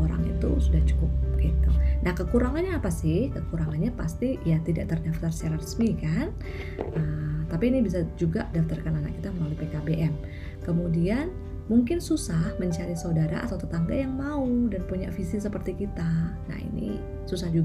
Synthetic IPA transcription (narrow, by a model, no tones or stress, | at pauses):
oɾa̰ŋḭt̪ṵsudaht͡ʃu̥kʊp̚kait̪ṵnahkəkuɾaŋanɲaːpasɪhkəkuɾaŋanɲapast̪ijat̪ida̰ʔt̪ərdaft̪arsaɾarəsmikan | ʔət̪apiːnibis̬ad͡ʒuɡadaft̪arkanana̰k̚it̪aməlalaipekabeʔɛm | kəmudian | muŋkɪnsusahməɲt͡ʃaɾisaudaɾa̰a̰t̪awt̪ət̪aŋɡa̰jaŋmaudanpuɲa̰ʔfisisəpərt̪ikit̪ana̰hḭnḭ | susahd͡ʒuɡ